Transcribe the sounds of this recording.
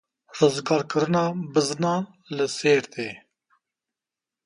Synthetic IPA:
ɾoːzɡɑːɾkəɾɨnɑːbɨznɑː | ləseːɾt̪eː

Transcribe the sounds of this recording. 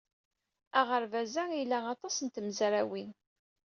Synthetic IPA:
aʁəɾvæzæilæɑt̪ˤɑsənt̪əmzɾæwin

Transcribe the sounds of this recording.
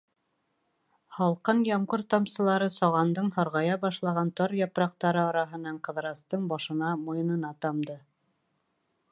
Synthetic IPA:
hɑlˠqɤnjɒɴʁɤɾt̪ɑmsɤ̆lˠɑɾɤsɑʁɑnd̪ɤɴhɑɾʁɑjɑbɑʃlˠɑʁɑnt̪ɑɾjɑpɾɑq̚t̪ɑɾɤɑɾɑɦɤ̆nɑɴqɤ̆ðɾɑst̪ɤɴbɑʃɤ̆nɑmojɤ̆nɤ̆nɑt̪ɑmd̪ɤ

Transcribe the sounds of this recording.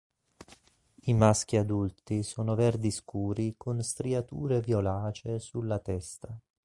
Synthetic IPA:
imask̟iad̪ult̪isoːnovɛrd̪iskuːɾikonst̪ɾiat̪uːɾevjolaːt͡ʃesulːat̪ɛst̪a

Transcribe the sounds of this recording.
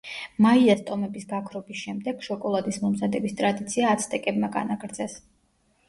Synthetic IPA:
maiast̪ʼɔmɛbisɡakʰɾɔbisʃɛmd̪ɛɡ̥ʃɔkʼɔlˠad̪ismɔmzad̪ɛbist̪ʼɾad̪it̪sʰiaːt̪sʰt̪ʼɛkʼɛbmaɡa̰naɡɾd̪zɛs

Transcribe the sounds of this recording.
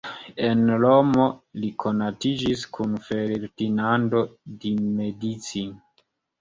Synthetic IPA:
enlomo̞likʰo̞natid͡ʒiskunfe̞ɾɾdinando̞dimedit͡sin

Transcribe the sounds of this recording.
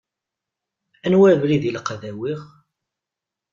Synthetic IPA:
ænwæɾvliðilqðæwiʁ

